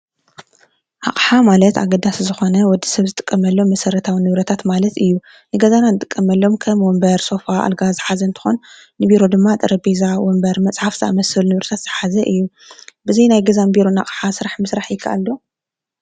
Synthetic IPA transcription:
ʔa̰qʼħamalɐt̪a̰ɡɐd̪aszɨxo̞nɐwɔd̪ːi̥sɐβzɨt̪ʼɨ̥kʼːɐmɐlːo̞mɐsɐɾɐt̪ʰawinɨβɾɐt̪ʰat̪malɐt̪ɨjːu | nɨɡɐzananɨt̪ʼɨkʼːɐmɐlːo̞mkʰɐmwɔmbɐɾso̞faʔa̰lɡazɨħazɐɨnt̪ʰɨ̥xon | nɨbiɾod̪ɨmːat̪ʼɨɾɐbizawɔmbɐɾmɐt͡sʼħafz̥ɨa̰mɐsɨlnɨβɾɐt̪ʰat̪z̥ɨħazɐʔɨjːu | bɨzɐjnajɡɐzanbiɾo̞na̰χʼħasɨɾaħmɨsɾaħjɪkʰa̰ʔa̰lːo̞

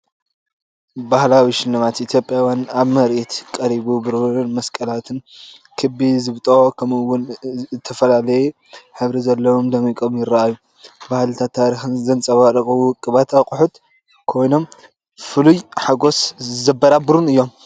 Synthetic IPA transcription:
bahlawiʃɪlːɨmat̪ʔit̪ʰjo̞pʼjawjanaβmɐɾʔit̪kʼɐɾiβubɨɾunmɐskʼɐlat̪ʰɨn | kʰɨbizɨβt̪ʼokʰɐmɨwːʊnzɨt̪ʰːɐfɐlalɐju | ħɨβɾizɐlːɐwomd̪ɐmikʼomjɪɾːaaju | bahlt̪ʰat̪ʰːaɾixɨnzɐnt͡sʼɐwaɾɨkʼuɨkʼːɨβat̪akʼʊħut̪ | kʰo̞jno̞m | fɨlujħaɡo̞szɐbːɐɾabɨɾunɨjːo̞m

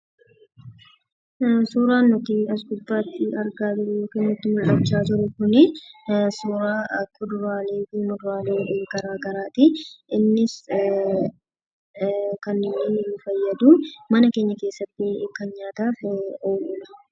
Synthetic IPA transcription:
suːɾaːnːʊt̪iɐs̬ɡʊb̪ːaːt̪ːɪɐɾɡaːd͡ʒ̪ʊɾʊjoːkɛːnːʊt̪ːɪmʊlʔɐt͡ʃːaːt̪ʊɾʊkʊnɪsuːɾaːɐkːʊd̪ʊɾaːniːkɪnʊd̪ʊɾaːleːʔeːɡɐɾaːɡɐɾaːt̪ɪʔɪnːɪs | kɐnːɪnːɪʊfɐjːɐd̪uːmɐnɐkeːɲːɐke̞ːsːɐt̪ːɪkːɐnɲaːt̪aːfoːlʊːnɐ

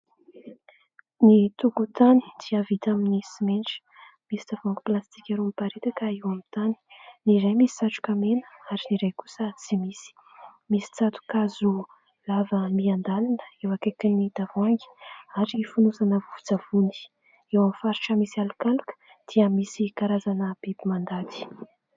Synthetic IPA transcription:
nit̪ukut̪ani̥d̪iavit̪aminisimenʈ͡ʂi̥ | misid̪̥avaŋɡiplast̪ikʲaɾumipaɾet̪akəewamint̪ani̥niɾajmisi̥saʈ͡ʂu̥kʲamenə̥aɾiniɾajku̥sət͡simisi̥ | misi̥t͡sat̪u̥kazu | lavəmiand̪alinə̥ewakekinid̪avaŋɡi̥aɾifunusanəvuv̥ud͡zav̥uni̥ | ewamifaɾiʈ͡ʂəmisialukalukə̥ | d̪̥iəmisikaɾazanəb̥ebimand̪at̪i̥

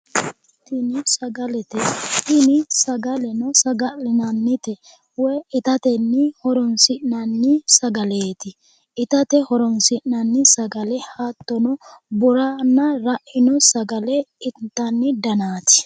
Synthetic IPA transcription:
t̪ɪnɪsɐɡɐlɛt̪ɛt̪ɪnɪsɐɡɐlɛnɔsɐɡɐlɪnɐnːɪt̪ɛ | wɛʔɪt̪ɐt̪ɛnːɪhɔɾɔnsɪʔnɐnːɪsɐɡɐleːt̪ɪ | ʔɪt̪ɐt̪ɛhɔɾɔnsɪnnɐnːɪsɐɡɐlɛhaːt̪ːɔnɔbʊɾanːɐɾɐʔɪnɔsɐɡɐlɛɪt̪ːɐnːɪd̪ɐnaːt̪ɪ̥

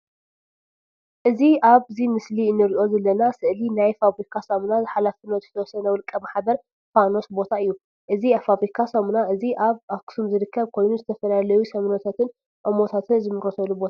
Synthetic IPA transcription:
ʔɨziʔaβzimɨsliɨnːɨɾiʔo̞zɐlːɐnasɨʔlinajfaβɾikʰasɐmnazɨħalafɨnozɨt̪ʰɐwɔsɐnɐwɨlkʼːɐmaħbɐɾ | fano̞sbo̞t̪ʰaɨjːu | ʔɨziafaβɾikʰasɐmnaɨziʔaβakʰɨ̥sumzɨɾɨkʰːɐβkʰo̞jnuzɨt̪ʰɐfɐlalɐjusɐmnot̪ʰat̪ʰɨn | ʔomo̞t̪ʰat̪ʰɨnzɨmɨɾosɐlubo̞t̪ʰa

